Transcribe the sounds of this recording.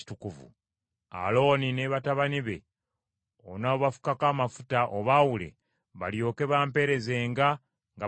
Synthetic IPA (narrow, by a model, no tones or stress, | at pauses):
i̥tukuvṵ | a̰lo̞ːnineβataβaniβe̞̰ | onaoβafu̥kakaːmafutaʔoβawule̞̰ | βa̰ljo̞ːke̞βaːmpe̞ɾe̞ze̞ːŋɡa | ŋɡa